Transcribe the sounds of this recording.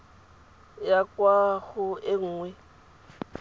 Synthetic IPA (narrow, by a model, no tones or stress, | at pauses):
jakwaɣʊɪŋ̩ːŋwɛ